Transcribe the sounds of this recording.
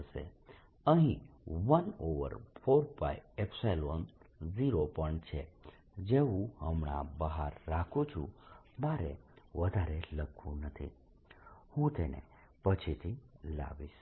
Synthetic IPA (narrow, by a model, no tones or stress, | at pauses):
ʃḛ | əɦĩʋənoʋə̰ɾpʰoɾpa̰jepsajlʋənziɾopəɳt͡ʃʰe | d͡ʒeũhəmɳa̰bəɦaɾːakʰũt͡ʃʰṵ̃ | bʱaɾḛʋəd̪ʱaɾeləkʰṵ̃nət̪ʰḭ | hũt̪enḛ | pət͡ʃʰit̪ʰila̰ʋiʃ